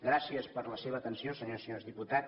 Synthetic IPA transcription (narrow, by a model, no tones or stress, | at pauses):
ɡɾasiəspəɾləseβ̞əːt̪ənsiosəɲosəɲozðiput̪a